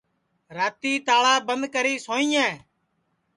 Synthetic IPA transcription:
ɾaːt̪iːt̪aːɭaːbənd̪kəɾiːsoːĩːɛ̃ː

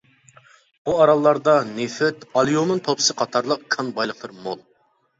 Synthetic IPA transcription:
buɑɾɑlˠːɑɾd̪ɑnefɛt̪ɑlˠijomɨnt̪ʰopsɨqʰɑt̪ʰɑɾlˠəqkʰɑnbɑjlˠəq̚t̪ˠɨɾmolˠ

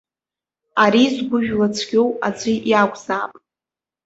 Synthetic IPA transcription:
aɾizɡʷʊʒᶣlat͡sʷʰɡʲowad͡zʷiʔjaɡʷz̥aːpʼ

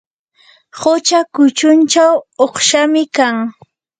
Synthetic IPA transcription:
hʊt͡ʃakʊt͡ʃʊnt͡ʃawoχʃamɪkaŋ

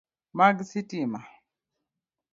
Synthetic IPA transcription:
maɡsitima

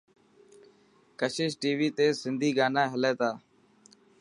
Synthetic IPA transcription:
kəʃɪːʃʈiːʋiːt̪eːsɪnd̪ʱiːɡaːnãːɦɪleːt̪aː

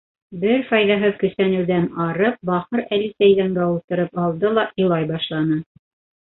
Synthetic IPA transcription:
bɘɾfɑjðɑɦɤðkɵ̆sænɘ̆wðænɑɾɤp̚bɑχɤɾælisæjðæŋɡæulˠt̪ɤ̆ɾɤpɑlˠd̪ɤlˠɑʔolˠɑjbɑʃlˠɑnɤ

